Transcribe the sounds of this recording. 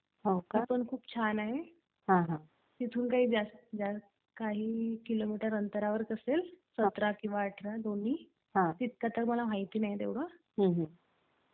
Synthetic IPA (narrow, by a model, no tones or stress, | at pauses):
ɦokipəɳkʰuːpt͡ɕʰanaɦe | ɦãɦã | t̪it̪ʰuːnkaɦiːd͡zasd͡za | kaɦiːkilomiʈəɾənt̪əɾaʋəɾkəselsət̪ɾakĩw̃ʋaːʈʰɾad̪on̤iː | ɦãt̪it̪̚kat̪əɾməlaʋ̤ajt̪iːnaɦid̪eʋɽə | ɦə̃ɦ